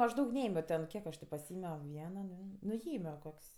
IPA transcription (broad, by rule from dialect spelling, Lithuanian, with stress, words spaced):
ˈɐʃ ˈdɐʊk ˈnʲɛeːmʲoː tʲɛn ˈkʲiɛk ɐʃ tʲɪ pɐˈsʲɪeːmʲoː ˈʋʲiɛnoː ˈdʲʋʲeː nʊ ˈjeːmʲoː ˈkoːkʲsʲ